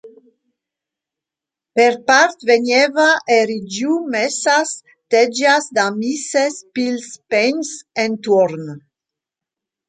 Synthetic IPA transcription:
peɾpaɾt̪veɲevaʔeɾid͡ʒumesas | t̪ed͡ʒasd̪amisespilspensent̪ɔɾn

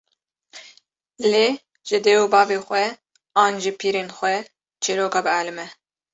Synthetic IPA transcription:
leː | ʒ̥ɪd̪eːwobɑːveːxʷɛ | ɑːnʒɪpʰiːɾeːnxʷɛ | t͡ʃʰiɾoːkɑːbɨælɨmɛ

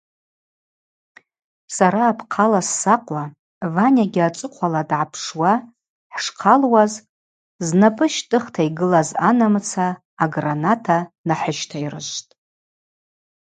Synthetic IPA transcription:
saɾaːpʰqʰalasːaqʼwa | vanʲaɡʲɪat͡ʃʼɨqʷʰaladʕapʰʂwa | ħʂqʰalwaz | znapʼɨʃtʼɨχtʰaiɡɨlazanamt͡sʰaː | ɡranatʰanaħəʃtʰairɨ̰ʒʷtʼ

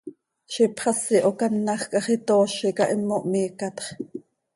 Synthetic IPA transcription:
ʃipχɑsiʔokɑnːɑχkʼɑχit̪oːʃikɑʔimːoʔmiːkɑt̪χ

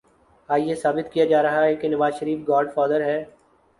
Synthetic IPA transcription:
aːjesaːbɪt̪kijad͡ʒaːɾɐɦaɦɛkenɐʋaːzʃəɾiːfɡaːɾɖfɔːd̪əɾɦɛː

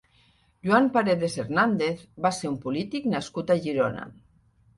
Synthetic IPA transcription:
ʒuampaɾeðeseɾnand̪eθbaseɾumpulit̪iknaskut̪aʒiɾona̰

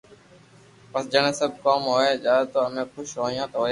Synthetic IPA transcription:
pəsd͡ʒəñẽːsəb̚ʱkoːmɦoːeːd͡ʒaːt̪oːəmẽːxʊʃɦoːijãːt̪oːe

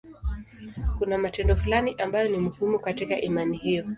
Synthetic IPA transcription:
kunamatɛndɔfulaniʔambajɔnim̩humukatika̰ʔimanihijɔ

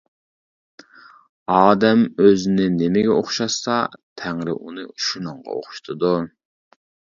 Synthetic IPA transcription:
ɑːd̪ɛmøzɪnɪnɪmɪɡʲɛoχʃɑsɑt̪ʰæŋɾɪ̰ʔunɨʃunɨŋʁɑ̰o̰χʊ̥ʃt̪ʰɨd̪u

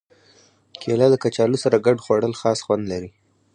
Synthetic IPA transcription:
kʰelɑd̪əkat͡ʃɑlusaɾaɡaɖxwaɽəlxɑsxwand̪laɾi

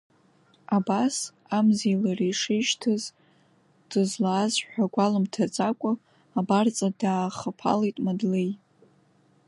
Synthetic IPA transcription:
abas | amzejlarijʂɪʃtʰɨz | d̥ɨzlaːzħʷᶣaɡʷalɨmtʰat͡sʼakʷʼʊː | bart͡sʼadaːχəpʰa̰lejtʼmadlej

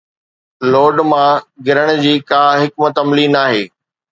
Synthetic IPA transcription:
loːɖmãɡɪɾəɽ̃̆d͡ʑiːkaːɦɪkmət̪ɐmliːnaːɦeː

